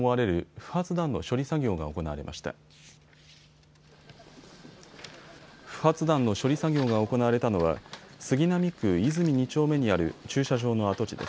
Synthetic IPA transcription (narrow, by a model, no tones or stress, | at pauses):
oaɾe̞ɾɯ̟ɸɯ̟̥hat͡sɨd̪ãnːo̞̰ɕo̞ɾʲisaɡʲo̞ːɡa̰o̞ko̞na̰βaɾe̞ma̰ɕi̥t̪a̰ | ɸɯ̟̥hat͡sɨd̪ãnːo̞ɕo̞ɾʲisaɡʲo̞ːɡao̞ko̞naβaɾe̞t̪ano̞βa̰sɨɡʲinamʲikɯ̟izɨmʲiɲ̟it͡ɕo̞ːme̞ɲ̟iaɾɯ̟̰t͡ɕɨːɕaʑo̞ːno̞at̪o̞t͡ɕḭd̪e̞̰s